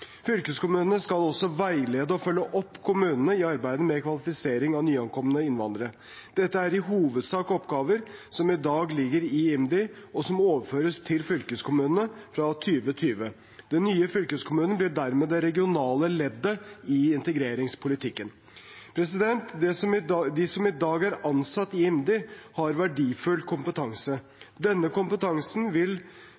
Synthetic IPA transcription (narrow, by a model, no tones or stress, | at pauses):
fʏlkəskʊmʉːnənəskɑlɔsːɔʋæɪleːd̪əɔfœlːəʔɔpːkʰʊmʉːnənəɪɑɾbæɪd̪əmɛkʰʋɑlɪfɪseːɾɪŋɑnyːɑŋkʰɔmənəɪnʋɑnd̪əɾə | d̪̥ɛt̪ːəæɾɪɦuːʋəd̪sɑːkɔpɡɑːʋəɾsɔmɪd̪ɑːɡlɪɡːəɾɪɪmd̪ɪɔsɔmoːʋəɾføːɾəst̪ʰɪlfʏlkəskʰʊmʉːnənəfɾɑt̪ʰyːʋət̪ʰyːʋə | d̪ɛnːyːəfʏlkəskʰʊmʉːnnəblɪɖæɾmeːd̪ɛɾɛɡɪʊnɑːləlɛd̪ːəɪɪnt̪əɡɾeːɾɪŋspʰʊlɪt̪ʰɪkːən | pʰɾɛsɪd̪ɛnt̪d̪ɛsɔmɪd̪ɪsɔmɪd̪ɑːɡæɾɑnsɑt̪ːɪɪmd̪ɪhɑɾʋæɖiːfʉlkʰʊmpət̪ʰɑŋsə | d̪ɛnːəkʊmpət̪ʰɑŋsnʋɪl